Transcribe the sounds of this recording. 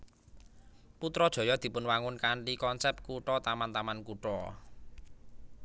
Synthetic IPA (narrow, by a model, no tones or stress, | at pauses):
put̪ɾɔd̥ʒ̥ɔ̤jɔd̪̥i̤pʊnwaŋʊnkaɳʈikɔnsɛp̚t̪̚kuʈɔt̪amant̪amankuʈɔ̰